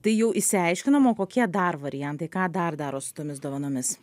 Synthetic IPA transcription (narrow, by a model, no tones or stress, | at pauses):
t̪ɐɪjɛʊɪsʲɪɐɪʃʲkʲɪnɐmoːkoːkʲiɛd̪ɐɾʋɐɾʲɪjɛnt̪ɐɪkɑːd̪ɐrd̪ɑːɾoːsʊ̥t̪oːmʲɪsd̪oːʋɐnoːmʲɪs